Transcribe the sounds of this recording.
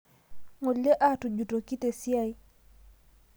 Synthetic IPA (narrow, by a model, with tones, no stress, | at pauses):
ŋo˨lːe˦ʔa˦˨tu˨d͡ʒu˨to˨ki˦te˨sja˦j